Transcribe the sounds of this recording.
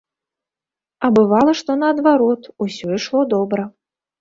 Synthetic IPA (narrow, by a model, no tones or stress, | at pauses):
ɐbɨvalˠɐʂt̪ɔnɐːd̪vaɾɔt̪usʲɔiʂlˠɔd̪ɔbɾɐ